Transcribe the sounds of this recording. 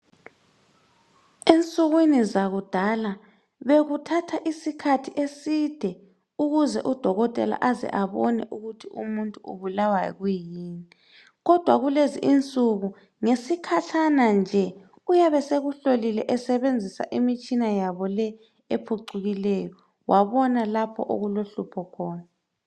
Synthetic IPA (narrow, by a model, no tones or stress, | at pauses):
ent͡sʼuɣwinizaɣud̥ʱala | βeɣutʰatʰaʔisikʰatʰiʔesid̥ʱɛ | uɣuzɛ̰ʔud̥ʱɔɣɔtʼɛ̰la̰ʔazɛ̰ʔaβɔnɛ̰ʔuɣutʰiṵmuntʼuṵβulawajɔ̰ɣujiːni | ɣɔd̥ʱwaɣuleziʔint͡sʼuɣu | ŋesikʰatʰanand͡ʒʱɛ | ujaβɛseɣuɬolilɛ̰ʔɛsɛβend͡zʱisa̰ʔimit͡ʃʼinajaβɔlɛ | epʰuǀuɣilɛjɔ | wʔaβɔnalapʰɔ̰ʔo̰ɣuloɬupʰɔkʰɔːna